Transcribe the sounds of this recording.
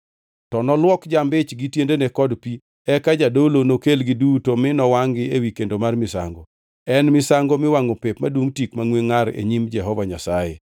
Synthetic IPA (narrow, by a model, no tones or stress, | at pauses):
tɔnɔlwɔkd͡ʒambɪt͡ʃɡɪtjendenekɔdpi | ɛkad͡ʒadolonokelɡɪdutomɪnɔwaŋɡɪewikendomarmɪsa̰ŋɡo | ɛnmɪsaŋɡomɪwaŋopɪp̚madwoŋtikmaŋweŋaɾḛɲimd͡ʒɛɦɔvaɲasajḛ